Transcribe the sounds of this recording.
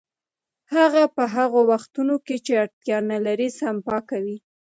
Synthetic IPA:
haɣapəɦaɣowaxt̪unoket͡ʃeaɽt̪jɑnalaɾisampɑkawi

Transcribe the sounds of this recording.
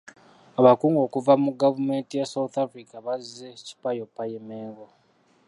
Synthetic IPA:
aβakuːŋɡo̞ːkuvamuɡavume̞ntijasawut̪afɾikaβazeci̥pajopːajemeːŋɡo

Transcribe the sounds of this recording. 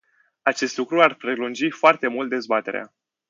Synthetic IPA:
at͡ʃe̞st̪lukɾuarpɾe̞lund͡ʒifoart̪e̞mult̪̚d̪e̞zbat̪e̞ɾḛa̰

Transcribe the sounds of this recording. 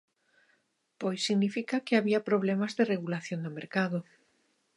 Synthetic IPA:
pojsiɣnifikakeaβiapɾoβlemazðereɣulaθjond̪omeɾkaðo

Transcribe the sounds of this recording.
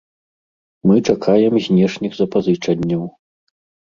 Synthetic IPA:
mɨt͡ʂakʰajɛmzʲnʲɛʂnʲiɣzɐpazɨt͡ʂɐnʲːɐw

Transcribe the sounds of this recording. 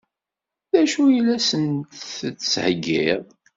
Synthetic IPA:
ðæʃujəlːæsənt̪θt͡sːshəɡːiðˤ

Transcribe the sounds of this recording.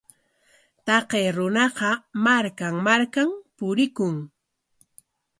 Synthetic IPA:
t̪ɑqejɾʊnɑqɑmaɾkaŋmaɾkampʊɾɪkʊŋ

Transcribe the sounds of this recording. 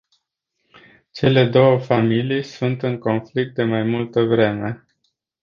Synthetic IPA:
t͡ʃe̞le̞d̪o̞wəfamilijsunt̪ɨŋko̞nflik̚t̪̚d̪e̞majmult̪əvɾe̞me̞

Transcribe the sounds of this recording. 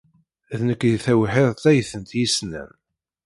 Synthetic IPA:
ðnəkːjθæwħeðˤt̪æjθənt̪jisnæ̰m

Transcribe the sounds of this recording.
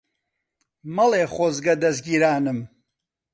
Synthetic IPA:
mɐleːχozɡɐd̪ɐzɡiːɾaːnɨm

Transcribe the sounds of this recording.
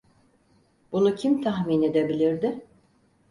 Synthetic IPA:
bunucʰimt̪ʰaxmine̞d̪e̞bilʲiɾd̪ɪ

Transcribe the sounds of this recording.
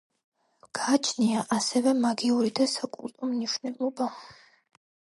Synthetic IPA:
ɡ̥aːt͡ʃʰniaʔasɛvɛmaɡiuɾid̪asakʼṵlt̪ʼɔmniʃwnɛlˠɔba

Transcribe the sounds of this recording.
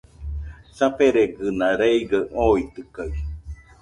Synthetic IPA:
sapeɾeɡɯnaɾeiɡəoit̪ɯkaj

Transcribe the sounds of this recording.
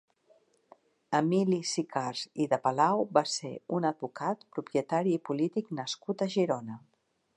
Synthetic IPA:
əmilisikʰaɾziðəpəlawbaseunəd̪̚bukat̪pɾupjət̪aɾiːpulit̪iknəskut̪əʒiɾonə

